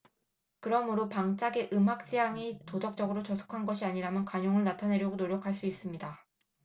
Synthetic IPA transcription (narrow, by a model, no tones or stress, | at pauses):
kɯɾʌmɯɾopaŋt͡ɕ͈aɡe̞ʔɯmɦak̚t͡ɕ͈ijaŋitodʌk̚t͡ɕ͈ʌɡɯɾot͡ɕʌsʰo̥kʰanɡʌɕʰiaɲiɾamjʌnkwaɲoŋɯɭnatʰane̞ɾjʌɡonoɾjʌkʰaɭs͈uis͈ɯmɲida